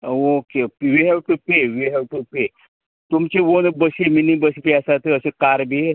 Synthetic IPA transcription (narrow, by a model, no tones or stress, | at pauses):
okeʋiɦɛʋʈupeʋiɦɛʋʈupe | t̪umt͡ɕeʋonbəsiminibəsipeasat̪əəsekaɾbe